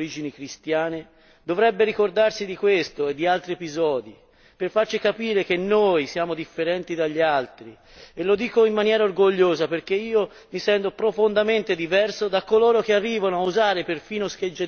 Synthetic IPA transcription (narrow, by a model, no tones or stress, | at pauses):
ɾid͡ʒinikɾist̪jaːne | d̪ovɾɛbːeɾikord̪arsid̪ikwest̪oed̪ːialt̪ɾiepizɔːd̪i | perfart͡ʃikapiːɾek̟enːoːjsjaːmod̪ifːeɾɛnt̪id̪aʎːialt̪ɾi | elod̪iːkoimːanjɛːɾaorɡoʎːoːzaperk̟eiːo | misɛnt̪opɾofond̪ament̪ed̪ivɛrsod̪akːoloːɾok̟earːiːvanoauzaːɾeperfiːnosked͡ʒːe